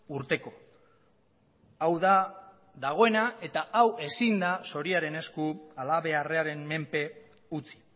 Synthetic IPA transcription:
uɾt̪e̞ko̞ | awða | ðaɣ̞o̞e̞nae̞t̪aawe̞sind̪aso̞ɾiaɾe̞ne̞skualaβe̞are̞aɾe̞nme̞mpe̞ | ut͡si̥

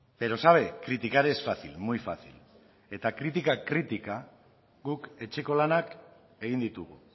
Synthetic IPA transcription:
be̞ɾo̞saβ̞ekɾit̪ikaɾesfaθḭlmujfa̰θḭl | e̞t̪akɾit̪̬ikakɾit̪ika | ɣuke̞t͡ʃe̞ko̞lanak | e̞ɣind̪it̪uɣṵ

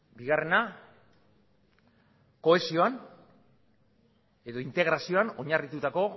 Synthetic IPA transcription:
biɣare̞na | ko̞esio̞an | e̞ðo̞int̪e̞ɣ̞ɾasio̞ano̞ɲarit̪ut̪ako̞

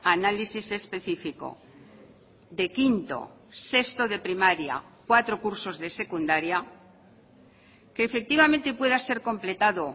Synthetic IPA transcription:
analisise̞spe̞θifiko̞̰ | ðe̞kint̪o̞̰ | se̞st̪o̞ðe̞pɾimaɾja̰kwat̪ɾo̞kuɾso̞zðe̞se̞kund̪aɾja | keːfe̞k̚t̪iβament̪epwe̞ðase̞ɾko̞mple̞t̪aðo

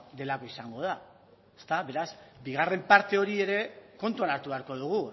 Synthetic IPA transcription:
d̪e̞lako̞isaŋɡo̞ð̞a | est̪aβe̞ɾasbiɣ̞are̞mpaɾt̪e̞o̞ɾie̞ɾe̞ko̞nt̪uanaɾt̪uβe̞aɾko̞ð̞uɣ̞u

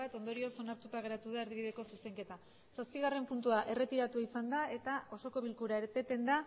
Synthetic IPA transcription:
at̪o̞nd̪o̞ɾio̞so̞naɾt̪ut̪aɣ̞e̞ɾat̪uð̞aeɾðiβiðe̞ko̞suse̞ŋke̞t̪a | saspiɣ̞are̞mpunt̪uaʔe̞re̞t̪iɾat̪uaisand̪ae̞t̪ao̞so̞ko̞β̞ilkuɾaeɾt̪e̞t̪e̞nd̪a

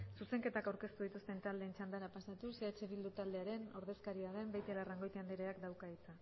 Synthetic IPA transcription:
suse̞ŋke̞t̪akawɾke̞st̪uð̞it̪ust̪e̞nt̪ald̪e̞ːnt͡ʃand̪aɾapasat̪useat͡ʃe̞βild̪ut̪ald̪e̞aɾe̞no̞ɾðe̞skaɾiaðembajt̪elaraŋɡo̞jt̪eand̪eɾeakd̪awkait͡sa

